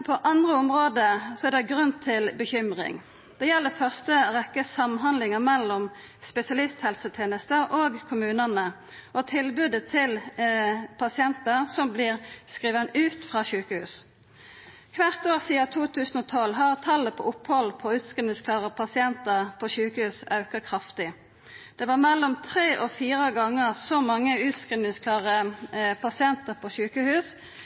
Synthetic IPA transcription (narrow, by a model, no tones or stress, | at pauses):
pʰɔʔɑnd̪ʁəʊmʁoːd̪əsɔæʁd̪ɛɡʁʉnt̪ʰɪlbəçʏmʁɪ̰ŋ | d̪̥ɛjɛlːəfœʁst̪əʁɛkːəsɑmnɦɑnd̪lɪŋəʁmɛlːɔm | spɛsɪɑlɪst̪hɛlsət̪ʰeːnəst̪əʁoɡkʰʊmʉːnəʁnə | ʔɔt̪ʰɪlbʉd̪ət̪ʰɪl | pʰɑsɪɛnt̪əʁsɔmblɪʁskʁiːʋənʉːt̪fʁɑːɕʉːkəhʉ̰ːs | kʰʋæʁt̪oːʁsiːɑt̪ʰuːt̪ʰʉːsən̩ɔːt̪ʰɔlɦɑʁt̪ʰɑlːəpʰɔ̰ʔʊphɔlpʰɔʉːt̪skʁinɪŋskʰlɑːʁəpʰɑsɪɛnt̪əʁpʰoɕʉːkəhʉːsɑʉkəʁkʰʁɑft̪ɪ | d̪̥ɛːbɑːʁmɛlːɔmt̪ʰʁeːʔɔfiːʁəɡɑŋːəʁsɔmɑŋːəʉːt̪skʁɪnɪŋskʰlɑːʁəpʰɑsɪɛnt̪əʁpʰoːɕʉːkəhʉːs